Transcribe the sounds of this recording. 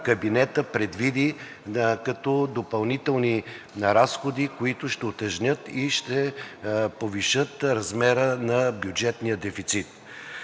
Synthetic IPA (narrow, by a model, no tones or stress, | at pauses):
kɐbinɛt̪əpɾɛd̪vid̪i | kɐt̪ɔd̪opɐlˠnit̪ɛlˠni | nɐɾasxod̪ikoit̪ʊʃt̪ɛot̪ɛʒnʲɤt̪iʃt̪ɛ | poviʃɤt̪ɾɐzmɛɾənɐbjud͡ʒɛt̪nijəd̪ɛfit̪sit̪